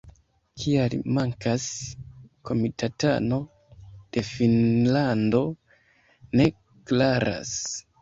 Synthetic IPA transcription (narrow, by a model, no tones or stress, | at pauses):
kʰialmaŋkas | kʰo̞mitʰatano̞ | d̥e̞finlando̞ | ne̞ | klaɾa̰s